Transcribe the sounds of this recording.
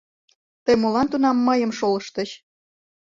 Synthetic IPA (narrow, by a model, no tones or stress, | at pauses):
t̪əjmolɑnt̪unɑmːəjəmʃoləʃt̪əɕ